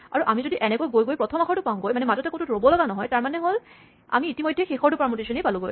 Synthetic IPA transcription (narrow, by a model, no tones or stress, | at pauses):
a̰ɹuʔamizodiʔɛnɛkojɡojɡojpɹɔtʰɔmaxʰɔɹtʊpaʊ̃ɡojmanɛmazɔtɛkotutɹobɔlɔɡanɔɦɔjtaɹmanɛɦol | a̰miːtimojdʱːɛxexɔɹtʊpɹaɹmotisɔnejpaluɡo̰j